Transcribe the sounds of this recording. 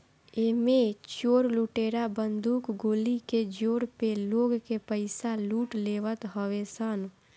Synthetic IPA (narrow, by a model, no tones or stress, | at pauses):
eːmẽt͡ʃoːɾluːʈeːɾabənd̪uːkɡoːliked͡ʒoːɾpeloːɡkepəɪsaluːʈleːʋət̪ɦəʋesən